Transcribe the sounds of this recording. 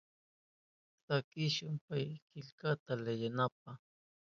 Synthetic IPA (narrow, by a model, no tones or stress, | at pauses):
sakɪʃʊmpajkɪʎkat̪alajanap̚a